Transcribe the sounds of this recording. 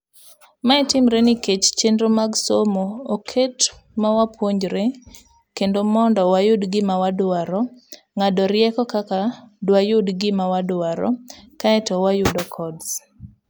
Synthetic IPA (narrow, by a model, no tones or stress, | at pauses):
maɛtɪmɾeniket͡ʃt͡ʃendɾomaɡsomoːkʰet | mawapwoɲd͡ʒɾe | kendomɔndɔwajʊdɡɪmawadʊaɾɔ | ŋadɔɾjɛkɔkakadwajʊdɡɪmawadʊaɾɔ̰kaɛtɔwajʊdɔkʰɔds